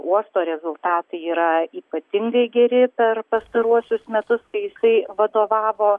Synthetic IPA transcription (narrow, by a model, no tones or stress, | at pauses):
uɔst̪oːɾʲɛzʊlˠt̪ɑːt̪ɐɪiːɾɐiːpɐt̪ʲɪŋɡɐɪɡʲɛɾʲɪpʲɛɾpɐst̪ɐɾuɔsʲʊsmʲɛt̪ʊskɐɪjɪsɐɪʋɐd̪oːʋɑːʋoː